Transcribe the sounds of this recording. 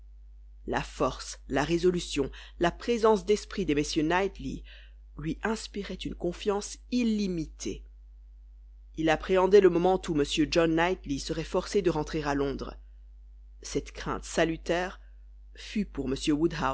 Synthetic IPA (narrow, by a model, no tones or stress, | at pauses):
la̰fɔʁslaʁezɔlysjɔ̃ | lapχezɑ̃sd̪ɛspχid̪emesjønajt̪lḭ | lɥiʔɛ̃spiʁɛt̪ynkɔ̃fjɑ̃silimit̪ʰḛ | ilapχeɑ̃d̪ɛləmɔmɑ̃t̪uməsjød͡ʒɔnːajt̪lisəʁɛfɔʁsed̪əʁɑ̃t̪χeʁalɔ̃d̪ʁ | sɛt̪kχɛ̰̃t̪salyt̪ɛːʁ | fypuʁməsjøwud̪ɦa